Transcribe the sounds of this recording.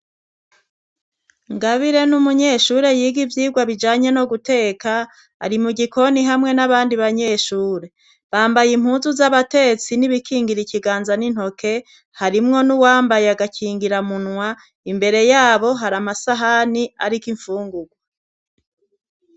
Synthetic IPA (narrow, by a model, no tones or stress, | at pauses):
ŋɡaβiɾe̞numuɲe̞ʃuːɾe̞jiːɡivjiːɡwaβid͡ʒaːɲe̞no̞ɡute̞ːka̰ː | ɾimuɡiko̞niɦamŋe̞naβaːndiβaɲe̞ːʃuːɾe | βaːmbajim̥huːnzuzaβate̞t͡siniβikʰiːŋɡiɾiciɡaːnzanin̥ho̞kʰe̞ | haɾimŋo̞nuwaːmbajeaɡakʰiːŋɡiɾamunwa | imbe̞ɾe̞jaːβo̞ɦaɾamasaɦania̰ɾikiɱfuːŋɡuɡwa